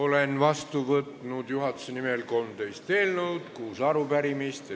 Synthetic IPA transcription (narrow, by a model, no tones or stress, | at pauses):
o̞lenvɑst̪uvɤt̪nud̪̥juɦɑt̪ːu̥senimelko̞lmt̪ejst̪eːlnɤwd̪̥kuːsɑɾupæɾimist̪